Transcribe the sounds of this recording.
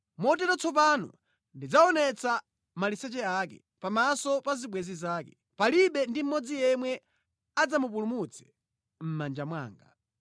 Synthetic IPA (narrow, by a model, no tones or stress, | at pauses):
mɔt̬ɛɾɔt͡sɔp̬anɔ̰ | ndid͡zaɔnɛt͡sa | malisɛt͡ʃɛaːkɛ̰ | pamasɔpaziɓwɛzizaːkɛ̥ | paliɓɛndim̩mɔd͡zijɛmwɛ | ad͡zamup̬ulumut͡sʰɛ̥ | m̩mand͡ʒamwa̰ːŋɡa